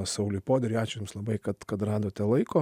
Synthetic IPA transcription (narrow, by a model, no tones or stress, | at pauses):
sɐʊlʲʊjpoːd̪ʲɛɾʲiːɑːt͡ʃʲʊjʊmslˠɐbɐɪkɐt̪kɐt̪rɑːd̪oːt̪ʲɛlˠɐɪkoː